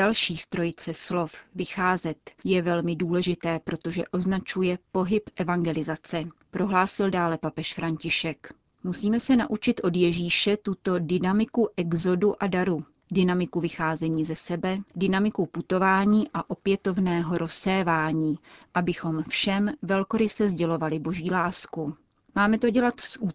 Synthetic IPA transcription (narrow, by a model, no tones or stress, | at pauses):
dalʃiːst̪ɾojt͡sɛslo̞fvɪxaːzɛt̪jɛvɛlmɪduːlɛʒɪt̪ɛːpɾo̞t̪o̞ʒɛʔo̞znat͡ʃujɛpo̞ɦɪpʔɛvaŋɡɛlɪzat͡sɛpɾo̞ɦlaːsɪldaːlɛpapɛʃfɾaɲcɪʃɛk | musiːmɛsɛnaʔut͡ʃɪt̪ʔo̞djɛʒiːʃɛt̪ut̪o̞dɪnamɪkuʔɛɡzo̞duʔadaɾu | dɪnamɪkuvɪxaːzɛɲiːzɛsɛbɛdɪnamɪkuput̪o̞vaːɲiːʔaʔo̞pjɛt̪o̞vnɛːɦo̞ɾʔo̞sɛːvaːɲiːʔabɪxo̞mfʃɛmvɛlko̞ɾɪsɛzɟɛlo̞valɪbo̞ʒiːlaːsku | maːmɛt̪o̞ɟɛlat̪sʔu